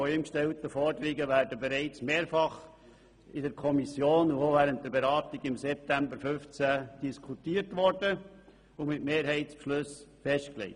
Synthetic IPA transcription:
fɔimkʃtɛltəfɔɾdəɾiɡəʋæːɾdəbɛɾɛɪt͡smeːɾfɑχ | ɪdəɾkʰɔmisjoːnʊovæːɾəntdəɾbɛɾɑːtiɡɪmsɛp̚tæmbəɾfʏft͡sæd̥iskʰutiːəɾtʋɔɾdə | ʊmɪtmeːɾɦɛɪtspʃlʉsfɛʃtklɛ̰ɪ

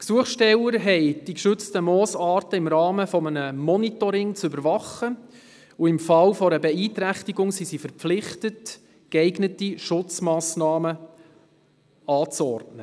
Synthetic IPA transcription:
ksuəχʃtɛwəɾɦɛɪd̥ikʃʏt͡stəmɔːsɑːɾtəɪmɾɑːməfɔmənəmɔnitɔɾɪŋt͡sʏbəɾʋɑχə | uɪmfɑlfɔɾəbɛiːtɾæχtiɡʊŋsisifəɾpflɪχtət | kɛɪɡnətiʃʊt͡smɑːsnɑːmə | ɑːt͡sɔrtnə

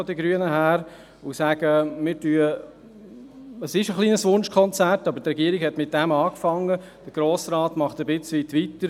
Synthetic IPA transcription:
ɔdiɡɾyənəɦæːɾ | osæɡ̥əmɪːɾtyːə | əsɪʃəχlˠiːnəsʋʊnʃkʰɔnt͡særtɑbəɾtrɛɡiəɾiɡhɛtmɪt̚d̥ɛmɑːkfɑŋːə | d̥əɾɡ̥ɾoːsɾɑːtmɑχtəbɪt͡sʋitʋitəɾ

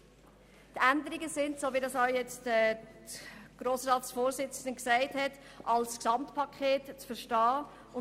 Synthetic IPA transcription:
tænd̪əɾiɡəsɪntsoːʋidɑsɔʊjɛt͡stɛ | ɡ̥ɾoːsɾɑːt̪sfoːɾsɪt͡sənəksæɪthɛt | ʔɑlsksɑmtpʰɑkʰeːtt͡sfəɾʃtɑː | ʊ

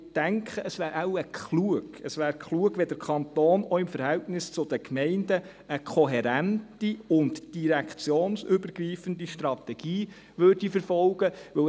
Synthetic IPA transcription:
d̥æŋkʰχəʔəsʋæːɾawəkʰχluəɡ̥əsʋæːɾkʰluəɡ̥ʋɛd̥əɾkʰɑnt̪oːnɔɪmfəɾhæltnɪst͡sʊd̪əkmɛɪndə | əkʰɔɦɛɾæntiʊntd̥iɾɛkt͡sjoːnsʏbəɾɡriːfəndiʃtrɑt̪ɛɡ̥iː | ʋørd̥ifəɾfɔlɡ̥əʋɵ

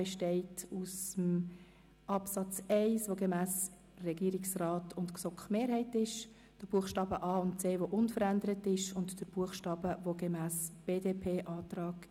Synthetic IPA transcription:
ɛʃtɛɪtusəm | ʔɑpsɑt͡sɛɪsvoɡemæːs | rɛɡ̥iːɾɪksrɑːtʰʊntksɔkχmeːɾhɛɪtɪʃ | d̥əb̥uəχʃtɑːbəʔɑːʊntt͡seːʋoʔʊnfəɾændəɾətɪʃʊntd̥əb̥uəχʃtɑːb̥əʋoɡemæːsb̥eːdepʰeːʔɑːtrɑːɡ̥

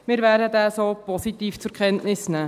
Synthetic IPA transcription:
mɪɾvæːɾdəd̪æːsoːpɔsit̪iːft͡sʊɾkʰχɛntnɪsnæː

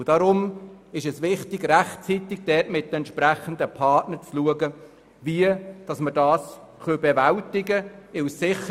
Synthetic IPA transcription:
ʊd̥ɑɾʊmɪʃɛsvɪχtɪɡræχt͡sitɪɡ̥̚d̥ɛtmɪt̚ːɛntʃpɾæχənd̪əpʰɑtnəɾt͡sluəɡə | viəd̥ɑsmədɑːs | χøbɛvæltɪɡəɪwsːɪχə

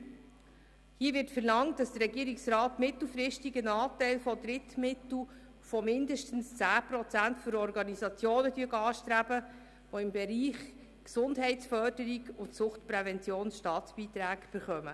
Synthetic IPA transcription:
hiəʋɪɾtfɛɾlɑŋtːɑsd̥ərɾɛɡiːəɾiksrɑːtmɪt̪l̩ˠfɾɪʃtiɡənɑːtɛɪlfɔdɾɪtmɪtl̩ | fɔmɪndəʃtən̩st͡sæːpɾɔt͡sæntfɔɾɔɾɡɑnisɑt͡sjoːnədyəɡəɑːʃtɾæbə | ʋɔɪmbɛɾiːχ | ksʊndɦɛɪtsfœrd̥əɾiɡʊntsʊχtpɾɛvɛnt͡sjoːnsʃtɑːtsb̥iːtɾæːɡb̥əɾχœmə

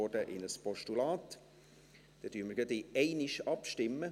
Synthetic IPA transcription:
ɔdəʔɪ̰nəspɔʃtulɑːt̪ | d̥ɛd̥yːɾməɾɡəd̪iɛɪnɪʃɑpʃtɪmːə

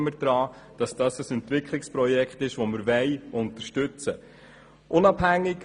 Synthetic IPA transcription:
məɾd̥ɾɑː | d̥ɑsd̥ɑsəsɛntʋɪkʰlɪkspɾɔjɛkχtɪʃʋoməɾvɛɪʔʊntəɾʃtɵt͡sə | ʔʊnɑb̥ɦæŋːɪɡ

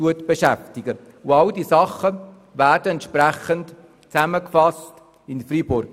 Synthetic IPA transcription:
uətb̥eʃæftɪɡə | ʊɑldiːsɑχə | væːɾdəɛntʃpræχənt | t͡sæməkfɑst | ɪnfribʊɾɡ

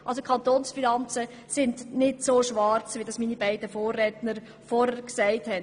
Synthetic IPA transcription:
ʔɑls̬okʰɑntoːnsfinɑnt͡sə | sɪndnɪtsoʃʋɑɾt͡sʋidɑsminibæɪdəfoːrːɛːtnəɾ | fɔɾəɾksɛɪthɛn

